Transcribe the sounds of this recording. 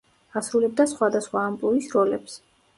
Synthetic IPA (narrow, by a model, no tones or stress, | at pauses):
asɾulɛb̚d̪asχwad̪asχwaːmpʼlˠuɾisɾɔlɛps